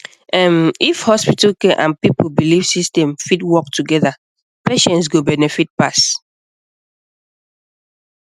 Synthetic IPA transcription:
ãmifhɔspitalkeʔã̰npipobiliv̥sistɛ̃mfitwɔk̚tʰuɡɛða | peʃɛ̃ntsɡobɛnɛfit̚pas

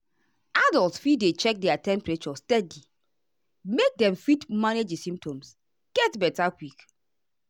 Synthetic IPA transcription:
adɔlˠtsfidet͡ʃɛk̚dɛatɛ̃mpɹet͡ʃɔstɛdi | mek̚dɛ̃mfitmaned͡ʒisĩmp̚tɔ̃ms | ɡ̥ɛtbɛtakwik

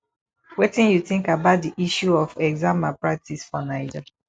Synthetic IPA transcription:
wɛtĩnjuθĩŋkabaʊt̚diʔiʃuɔfɛɡzãmapɹak̚tʰisfɔnaɪd͡ʒa

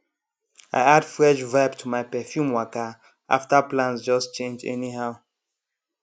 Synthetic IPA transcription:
a̰ɪad̥fɹɛʃvabtʰumaɪpɛfjũmwɔka | ʔa̰ftaplãnsd͡ʒɔst͡ʃẽnd͡ʒɛ̰niɦaʊ

